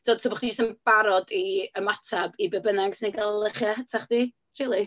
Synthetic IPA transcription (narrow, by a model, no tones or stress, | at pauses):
tʰoːdtʰoːbɔχdid͡ʒostəmb̥aɾɔdiəmatʰabibɛbənaɡsiniɡallˠəχjahətʰaχd̥iː | riːlˠi